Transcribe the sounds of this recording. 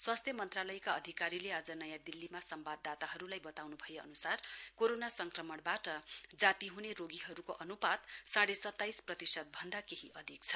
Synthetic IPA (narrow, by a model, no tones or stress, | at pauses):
swast̪ʰjʌmʌnt̪ralʌjkaʌd̪ʱikaɾilead͡zʌnʌjãd̪ilːimasʌmbad̪ːat̪aɦʌɾulajbʌt̪awnubʱʌjeʌ̰nusarkoɾonasʌŋkrʌmʌɽbaʈʌd͡zat̪iɦuneɾoɡiɦʌɾukoʔʌnupad̪saɽesʌt̪ːajsprʌt̪isʌd̪̚bʱʌnd̪akeɦiʔʌd̪ʱikt͡sʰʌ̥